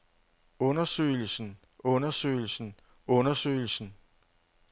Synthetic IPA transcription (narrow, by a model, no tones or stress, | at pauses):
ɔ̽nɐsø̰ːl̩sn̩ | ʔɔ̽nɐsø̰ɪl̩sn̩ | ɔ̽nɐsø̰ɪl̩sn̩